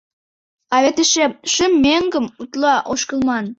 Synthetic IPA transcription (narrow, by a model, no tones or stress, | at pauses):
ɑβet̪əʃeʃəmːeŋɡəmut̪lɑʔoʃkə̆lmɑn